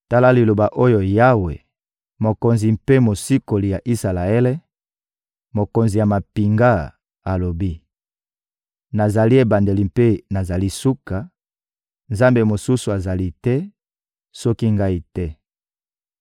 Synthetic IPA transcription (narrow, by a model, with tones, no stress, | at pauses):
ta˦la˦li˨lo˨ba˨ʔo˦jo˨ja˦wḛ˨ | mo˨ko˨nzi˨mpe˦mo˨si˦ko˨li˨ja˨ʔi˦sa˨la˨e˦le˦ | mo˨ko˨nzi˨ja˨ma˨pi˨ŋɡa˦ | a˨lo˨bi˦ | na˨za˨li˦e˨ba˨nde˨li˨mpe˦na˨za˨li˦su˦ka˨ | nza˦mbe˨mo˨su˦su˨a˨za˨li˦tɛ˦ | sɔ˦ki˦ŋɡa˦i˨tɛ˦